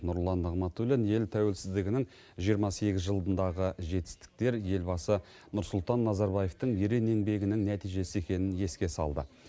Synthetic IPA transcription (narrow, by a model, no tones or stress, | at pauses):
nʊɾlˠɑnɑʁmɑt̪ulenje̞lt̪ʰæwe̞lsɪzd̪ɪɡʲɪnɪŋ | ʒijəɾmɑse̞ɡʲɪzʒəlˠd̪ənd̪ɑʁəʒe̞t̪ɪ̥st̪ɪ̥k̚t̪e̞ɾje̞lbɑsə | nʊɾsʊlˠt̪ɑnːɑzɑɾbɑje̞ft̪əɴjeɾe̞ne̞ŋbe̞ɡʲɪnɪŋnæt̪ijʒe̞sɪe̞kʲe̞nɪnje̞skʲe̞sɑ̰lˠd̪ə̰